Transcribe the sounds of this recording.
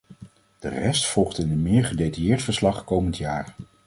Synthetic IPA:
d̥ərɛstfɔlˠχtɪnənmɪːɹχədetɑjɪːɹtfəɹslɑχkowməntjaːɹ

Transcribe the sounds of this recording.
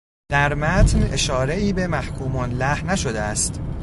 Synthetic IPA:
d̪̥æɾmæt̪ʰne̞ʃɒːɾe̞iːbe̞mæhkʰuːmɒnlæhnæʃod̪eæst̪

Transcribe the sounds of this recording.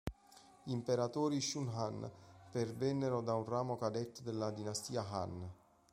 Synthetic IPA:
impeɾat̪oːɾiʃunɦanpervɛnːeɾod̪aunraːmokad̪ɛt̪ːd̪elːad̪inast̪iːaxa̰n

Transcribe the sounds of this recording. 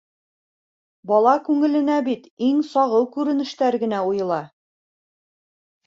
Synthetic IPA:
bɒlˠɑkʉŋɘ̆lɘ̆næbit̪iŋsɒʁɤlˠkʉɾɘ̆nɘ̆ʃt̪æɾɡɘ̆næujɤ̆lˠɑ

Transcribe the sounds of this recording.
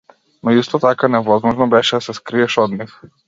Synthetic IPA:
nɔist̪ɔt̪akanɛvɔzmɔʒnɔbɛʃɛd̪asɛskɾiɛʃɔd̪nif

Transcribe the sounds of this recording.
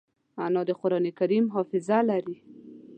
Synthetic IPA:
anɑd̪əqʊɾɑnekaɾimɦɑfɪzalaɾi

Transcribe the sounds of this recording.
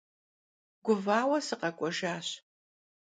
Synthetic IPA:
ɡʷʊvaːwɐsɨqɐkʷʼɔʒaːɕ

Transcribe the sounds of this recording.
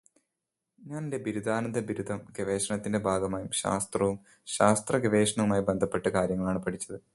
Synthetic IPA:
ɲaːnnde̞biɾud̪aːnɐnd̪ʱɐbiɾud̪ʱɐmɡeʋe̞ːʂɐɳɐt̪ːinde̞bʱaːɡɐmaːjumɕa̰ːst̪rɐʋum | ɕaːst̪rɐɡeʋe̞ːʂɐɳɐʋumaːjibe̞nd̪ʱɐpːe̞ʈːɐkaːɾjɐŋːɐɭaːɳɨpɐʈʰit͡ɕːɐðɨ

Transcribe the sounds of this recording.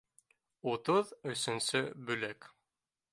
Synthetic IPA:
ut̪ɤðɵ̆sɵ̆nsɵbɵ̆læk

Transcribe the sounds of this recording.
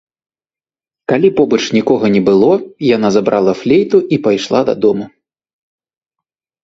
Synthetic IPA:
kalʲipɔbɐt͡ʂnʲikɔɣɐnʲɛbɨlˠɔjanazabɾʔalˠɐflʲejt̪uʔipajʂlˠa̰d̪ɐ̰d̪ɔmu

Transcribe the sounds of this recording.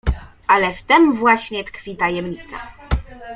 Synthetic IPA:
ʔalɛft̪ɛmvwaɕɲɛt̪kfʲit̪ajɛmɲit̪sa̰

